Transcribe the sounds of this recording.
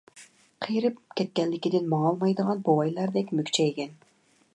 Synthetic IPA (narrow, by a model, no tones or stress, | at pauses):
qʰijɾɪpkʲɛt̪̚kʲɛnlːɪkʲɪd̪ɪnmɑːlˠmɑjd̪əʁɑnbowɑjlˠɑɾd̪ɛkʲmykʲt͡ʃʰɛɡʲɛn